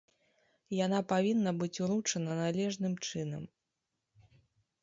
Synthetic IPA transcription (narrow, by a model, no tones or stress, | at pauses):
janapavʲinːɐbɨt͡sʲuɾut͡ʂɐnɐnalʲɛʐnɨmt͡ʂɨnɐm